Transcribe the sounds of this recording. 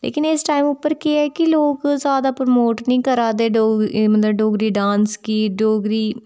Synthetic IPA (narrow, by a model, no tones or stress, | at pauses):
lḛːkɪnɪsʈaːɪmʊpːəɾkeɛːkiloːkzjaːd̪aːpɾomoːʈnĩːkəɾaːd̪eːɖoːmɐt̪ləbɖoːɡɾiːɖãːnskiːɖoːɡɾiː